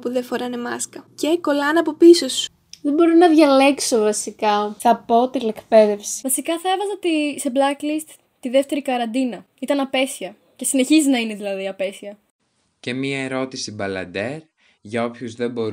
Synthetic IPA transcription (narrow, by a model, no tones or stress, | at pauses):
puðefoɾɐnemɐskɐceko̞lɐnɐpo̞pisosu̥ | ðebo̞ɾinɐðʝɐle̞kso̞vɐsikɐθɐpo̞t̪ine̞kpe̞ðe̞fsi̥vɐsikɐθɐevɐzɐt̪ise̞blɐklist̪ | t̪ːiðe̞ft̪e̞ɾikɐɾɐnd̪inɐ | it̪ɐnɐpe̞siɐ | ce̞sine̞çiznɐine̞ðilɐðiɐpe̞siɐ | ce̞miɐeɾo̞t̪isibɐlɐ̰nd̪e̞ɾ | ʝɐo̞pçuzðe̞bo̞ɾ